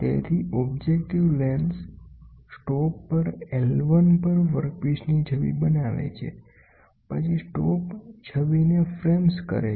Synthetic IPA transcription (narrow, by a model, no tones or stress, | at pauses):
t̪ḛt̪ʰiʔɔbd͡ʒek̚ʈiʋlenssʈɔpːəɾelʋənpəɾʋəɾk̚piʃnid͡ʒʱəʋḭbənaʋḛt͡ʃʰḛ | pət͡ʃʰisʈɔpd͡ʒʰəʋinefɾemskə̰ɾe